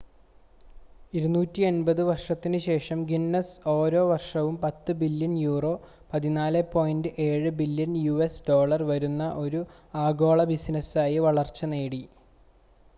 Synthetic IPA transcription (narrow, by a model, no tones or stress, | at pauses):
iɾunuːtːienbɐðɨʋɐrʂɐt̪ːinɨɕe̞ːʂɐmɡinːɐso̞ːɾo̞ːʋɐrʂɐʋumpɐt̪ːɨbilːjɐnjuːro̞ː | pɐðinaːlɨpo̞ːjindɨʔe̞ːɻɨbiljɐnjuesɖo̞ːɭɐrʋɐɾunːɐʔo̞ɾu | aːɡo̞ːɭɐbisnɐsaːjiʋɐɭɐrt͡ɕːɐneːɽi